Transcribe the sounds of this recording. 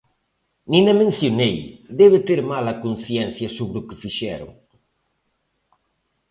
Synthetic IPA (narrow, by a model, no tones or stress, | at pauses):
nĩnɐmẽnθjonejd̪ɛβɪt̪eɾmalɐkonθjɛnθjɐsoβɾʊkɪfiʃɛ̰ɾʊ̰ŋ